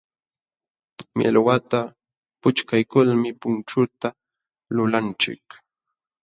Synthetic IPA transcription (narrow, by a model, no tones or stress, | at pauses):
mjḛlwat̪a | pʊt͡ʃkajkʊlmɪpʊnt͡ʃʊt̪a | lʊlant͡ʃɪ̰k